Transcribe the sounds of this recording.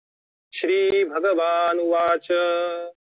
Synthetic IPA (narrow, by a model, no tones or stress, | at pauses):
ʃɾiːbʱɐɡəʋaːnuʋaːt͡ʃɐ